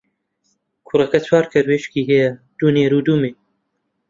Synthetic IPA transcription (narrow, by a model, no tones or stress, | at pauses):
kʰuɾɐkɐt͡sʰwaːɾkʰɐɾweːʃkiːɦɛjɐd̪̥uːneːɾuːd̪uːmeː